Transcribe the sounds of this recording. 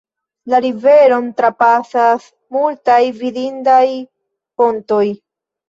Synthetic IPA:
laɾive̞ɾo̞ntɾapasas | multajvidindaj | po̞nto̞j

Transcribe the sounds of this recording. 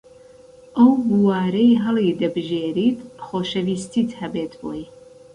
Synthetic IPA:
ʔɐwbuwaːɾɐjɦɐlid̪ɐbɨʒeːɾiːt̪xoːʃɐviːst̪it̪hɐbeːt̪bo̰j

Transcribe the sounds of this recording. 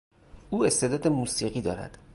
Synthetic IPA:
ʔuːe̞st̪ʰed̪ɒːd̪emuːsiːɢiːd̪ɒːɾæ̰d̪̥

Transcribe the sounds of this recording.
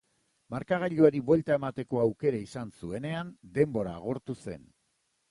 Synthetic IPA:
maɾkaɣ̞aʎoaɾiβwe̞lt̪ae̞mat̪e̞ko̞awke̞ɾaisansue̞ne̞and̪e̞mbo̞ɾa̰ːɣ̞o̞ɾt̪use̞̰n

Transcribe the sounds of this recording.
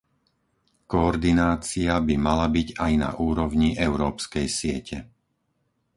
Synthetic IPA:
kɔːɾd̪inaːt͡siabimalabiɟajna̰ʔuːɾɔʊɲiʔɛʊɾɔːpskɛjsɪɛcʰɛ

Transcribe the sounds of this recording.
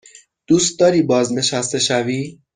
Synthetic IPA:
d̪̥uːst̪̚d̪ɒːɾiːbɒːzne̞ʃæst̪e̞ʃæviː

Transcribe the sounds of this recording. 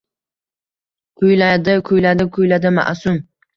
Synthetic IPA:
kʰʊjlad̪ɪkʰʊjlad̪ɪkʰʊjlad̪ɪma̰ʔsʊm

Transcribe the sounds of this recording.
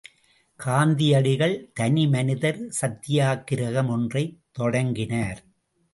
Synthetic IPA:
kaːnd̪ɪjɐɽɪɣɐɭt̪ɐnimɐnɪðɐɾsɐt̪ːɪjaːkːɪɾɐɣɐmɔndrɐɪt̪ːɔɽɐŋɡɪnaːɾ

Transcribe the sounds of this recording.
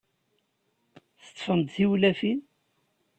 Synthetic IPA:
θə̥t͡s̪ˤːfənd̪θiwlæfin

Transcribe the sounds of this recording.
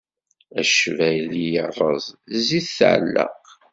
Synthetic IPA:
æʃvæjlijərˤːəzˤziθθʕlːə̰q

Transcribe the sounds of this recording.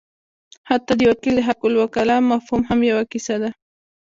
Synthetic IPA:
hat̪ad̪jokɪlɪɦakʊlwakalamafhʊmhamjawakɪsad̪a

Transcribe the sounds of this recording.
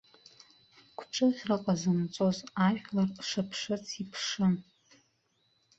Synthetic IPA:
kʷʰʈ͡ʂʰʼɨʁʲraqʷʼazɨmt͡sʼo̞zaʒʲᶣlarʂapʰʂɨt͡sʰipʰʂɨn

